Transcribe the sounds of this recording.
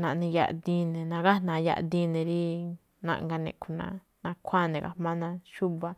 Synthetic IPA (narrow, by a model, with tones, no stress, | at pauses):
nã˨˧nĩ˧ja̰˧ʔd̪i˧nẽ˨nã˧ɡa˦˨nã˨˧ja̰˧ʔd̪i˦nẽ˧ɾi˦ | nã̰˧ʔŋɡa˧nḛ̃˧˨ku˧nã̰˧ | nã˧kʷʰa˦˨nẽ˨˧ɡa̰˧mã˦nã˧ʃu˦βa˧